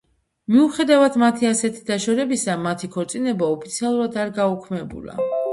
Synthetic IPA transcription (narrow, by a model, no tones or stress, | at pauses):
miuχɛd̪avad̪mat̪ʰiasɛt̪ʰi̥d̪̥aʃɔɾɛbisamat̪ʰikʰɔɾt̪sʼinɛbaɔpʰit̪sʰialˠuɾad̪aɾɡaukʰmɛbṵla̰